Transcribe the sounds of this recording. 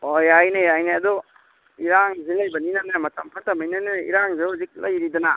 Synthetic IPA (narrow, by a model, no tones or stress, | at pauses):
ojajnejajneɐdu | iɾaŋzilɐjbɐninanamɐtɐmpʰatɐmajnanaḭɾaŋzeɦuzik̚lɐ̰jɾidɐna